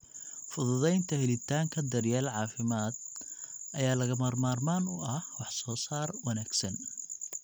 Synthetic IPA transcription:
fʊðʊðɛjnt̪ʰɐhɛlɪt̪ʰaːŋkʰɐd̪ɐrjaːlʕɑːfɪmaːd̪̚ʔɐjaːlɐɣɐmaːrmaːrmaːnʊɐhwɑħsɔːsaːrwɐnaːɡsɐn

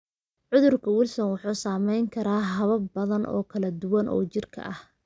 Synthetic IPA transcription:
ʕʊðʊrkʰɐwʊlsɔnwʊħuːsaːmɛjŋkʰɐɾaːɦɐβɐbɐðɐnʔɔ̰ːkʰɐlɐd̪ʊwɐnʔɔ̰ːt͡ʃɪrkʰɐ̰ʔɐh

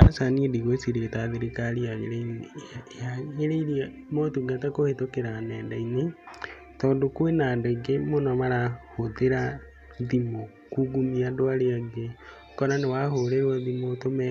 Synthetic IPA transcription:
asanidiɣwesiɾetaðeɾekaɾiaɣeɾeiɾiaɣeɾeiɾia | motuɡatakohetokeɾanɛːndaine | tɔːndokwenandeɡemonɔmaɾahoðeɾa | ðimo | kuɡumiadoaɾeaɡe | kɔɾanewahoɾeɾwaðimotomɛ

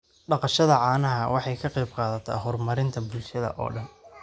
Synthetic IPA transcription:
ɖɑqɑʃɐðɐʕɑːnɐɦɐwɑħɑjkʰɐqɛjbqɑːðɐt̪ʰɐ̰ɦɔrmɐɾɪnt̪ʰɐbʊlʃɐðɐ̰ʔɔ̰ːɖɐn

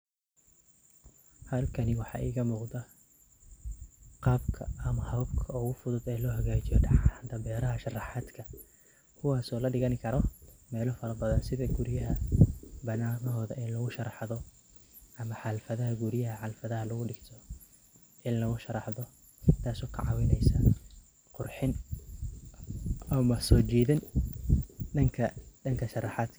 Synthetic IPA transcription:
hɐlkʰɐnɪwɑħɑ̰ːʔḭːɣɐmuːqd̪ɐ | qɑːbkʰɐɐmɐhɐbkʰɐʊɣʊfʊðʊd̪ɛːlɔːɦɐɣaːt͡ʃɪjɔɖɑħaːnt̪ʰɐbɛːɾɐɦɐʃɑrɑħɑːd̪kʰɐ | kʰʊwɑːsɔːlɐɖɪɣɐnkʰɐɾɔmɛːlɔfɐɾɐbɐðɐnsɪðɐɡʊɾjɐɦɐbɐnaːnɔɦɔːðɐʔɪnlɐɣʊʃɐɾɑħðɔ | ʔɐmɐħɑlfɐðɐɦɐɡʊɾɪjɐɦɐħɑlfɐðɐɦɐlʊɣʊɖɪɡt̪ʰɔ | ʔɪnlɐɣʊʃɐɾɑħðɔ | t̪ʰaːsɔːkʰɐ̰ʕɑ̰wɪnɛjsɐ | qʊrħɪn | ɐmɐsɔːt͡ʃiːðɪn | ɖɐŋkʰɐɖɐŋkʰɐʃɐrɑħaːd̪kʰ

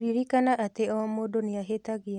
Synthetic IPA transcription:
iɾikanaʔat̪eɔmodoniaɦet̪aɡɪ

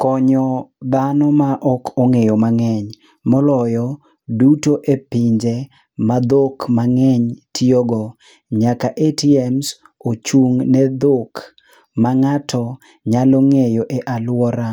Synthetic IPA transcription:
kɔɲɔd̪anɔmaʔɔkʰoŋejɔmaŋɛɲ | mɔlɔjɔ | dutoʔepiɲd͡ʒe | mad̪okmaŋɛɲtioɡɔ | ɲakaʔetiɛms | ot͡ʃuŋnɛd̪ok | maŋatʰɔ | ɲaloŋejoʔeʔalwɔɾa

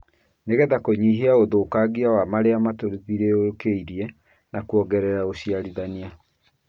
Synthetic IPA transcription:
neɣɛðakoɲiːɦeaoðoːkaɡiawamaɾeamatoɾiðiɾeokeiɾiɛ | nakwɔɡɛɾɛɾaoɕiaɾiðania

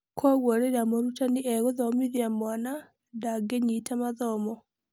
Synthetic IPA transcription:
kʰɔɣwɔɾeɾamoɾutaniʔɛɣoðɔmiðjamwana | daɡeɲitamaðɔmɔ

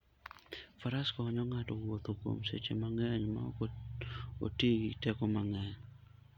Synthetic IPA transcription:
faɾaskɔɔɲɔŋatɔwot̪oko̰msḛt͡ʃḛmaŋɛɲma̰ɔ̰k | o̰teɡitɛkɔmaŋɛɲ

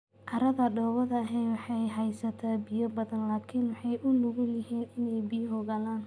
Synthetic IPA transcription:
ʔɐɾɐðɐɖɔːβɐðɐːɦɛjwɑħɑjɦɛjsɐt̪ʰaːbɪjɔbɐðɐnlaːkʰɪnwɑħɑjʔʊnʊɣʊjɪɦiːnɪnɛjbijɦɔɣɐlaːn

